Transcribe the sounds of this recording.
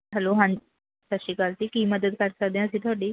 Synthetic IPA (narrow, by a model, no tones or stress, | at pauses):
aloɦãn | saɕiːkalt̪ikiməd̪ət̪̚kaɾsad̪ẽəsĩt̪ʰoɽi